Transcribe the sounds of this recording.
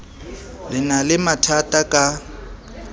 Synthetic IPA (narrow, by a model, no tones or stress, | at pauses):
lɪnalɪmatʰatʼakʼa